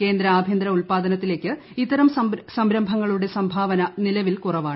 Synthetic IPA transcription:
ke̞ːnd̪ɾɐaːbʱjend̪ɾɐuɭpaːd̪ɐnɐt̪ːile̞ːkːɨ | it̪ːɐɾɐmsɐsɐmɾɐmbʱɐŋːɐɭuɽe̞sɐmbʱaːʋɐnɐnilɐʋilkurɐʋaːɳɨ

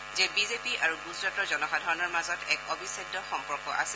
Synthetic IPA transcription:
zɛbizepiʔaɹuɡuzɹatɔzɔnɔxadʱɔɹɔnɔɹmazɔtɛkobisajdɔxɔmpɔɹkɔ̰ʔa̰sɛ

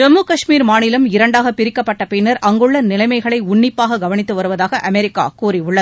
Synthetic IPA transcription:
d͡ʒɛmːukɐʂmiːɾmaːnɪlɐmɪɾɐɳɖaːɣɐpɪɾɪkːɐpːɐʈːɐpɪnɐɾʔɐŋɡɯɭːɐnɪlɐɪmɐɪɣɐɭɐɪʊɳːɪpːaːɣɐɡɐʋɐnɪt̪ːɯʋɐɾɯʋɐðaːɣɐʔɐmɛɾɪkːa̰ːkuːɾiʊɭːɐð

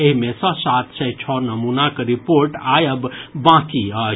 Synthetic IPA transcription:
eɦimẽsə̃sat̪ʰsɛjt͡ʃʰɔnəmunakeɾipoɾʈajəbbãkiə

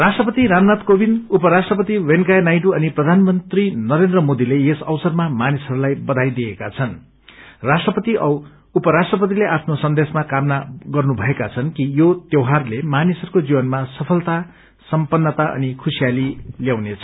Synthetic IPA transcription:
rasʈrʌpʌt̪iɾamnat̪kobinupʌɾasʈrʌpʌt̪iwenkajnajʈ̬uʌniprʌd̪ʱanmʌnt̪rinʌɾend̪rʌmod̪ileesʌwsʌrmamanisʌɾulajbʌd̪ʱajd̪iekat͡sʰʌn | rasʈrʌpʌt̪iʔʌ | upʌɾasʈrʌpʌt̪̬ileʔapʰnosʌnd̪esmakamnaɡʌrnubʱʌekat͡sʰʌnkijot̪jewɦarlemanisʌɾukod͡zibʌnmasʌpʰʌlt̪a | sʌmpʌnːʌt̪aʔʌ̰nikʰusijaliljawnet͡sʰʌ

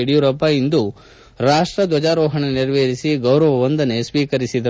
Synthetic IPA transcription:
iɽijuɾɐpːaind̪u | ɾaːʂʈɾɐd̪ʋɐd͡ʒaːɾɔːɦɐɳeniɾʋeːɾisiɡɐwɾɐʋɐʋɐnd̪ɐnesʋiːkɐɾisid̪ɐ

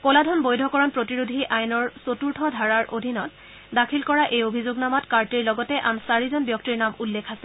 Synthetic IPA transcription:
koladʱɔnbojdʱɔkɔɹɔnpɹotiɹudʱiʔajnɔɹsotuɹtʰɔdʱaɹaɹʔodʱinɔt | dakʰilkɔɹaʔejobʱizoɡnamɔtkaɹtiɹlɔɡɔtɛʔamsaɹizɔnbjɔk̚tiɹnamulːekʰasɛ̥

